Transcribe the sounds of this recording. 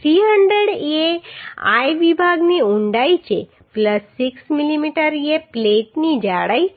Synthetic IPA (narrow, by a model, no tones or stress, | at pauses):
tɾiɦəɳɖɾeɽea̰jʋibʱaɡniuɳɖait͡ʃʰe | pləsːiksmilimiʈəɾijepleʈnid͡ʒaɽai